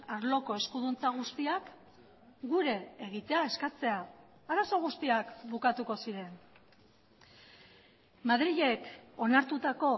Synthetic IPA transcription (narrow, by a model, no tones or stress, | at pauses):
aɾlo̞ko̞e̞skuðunt͡saɣ̞ust̪iak | ɡuɾe̞ːɣ̞it̪e̞ae̞skat͡se̞aː | ɾaso̞ɣ̞ust̪iakbukat̪uko̞siɾe̞n | maðɾiʎe̞ko̞naɾt̪ut̪ako̞